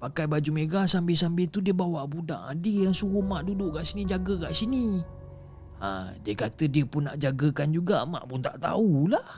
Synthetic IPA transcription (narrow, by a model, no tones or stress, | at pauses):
pakajbad͡ʒumeɡasambɛsambɛt̪udiəbawaʔbuda̰ʔadəjaŋsuɣumaʔdudʊʔkaʔsinid͡ʒaɡəkaʔsini | ã̰diəkat̪ədiəpʊnːa̰ʔd͡ʒaɡəkand͡ʒuɡama̰ʔpʊnt̪aʔt̪a̰ulah